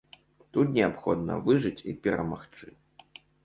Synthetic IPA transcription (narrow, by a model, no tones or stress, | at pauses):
t̪ut̪nʲɛapxɔd̪nɐ̰vɨʐɨt͡sʲipʲɛɾɐ̰ma̰xt͡ʂɨ